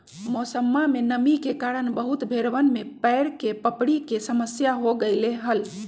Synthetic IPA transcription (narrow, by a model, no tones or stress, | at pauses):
mosəmːamenəmikekaɾənbəɦut̪bʱeɾʋənmepəɪɾkepəpɽikesəməsjaɦoɡəɪleɦəl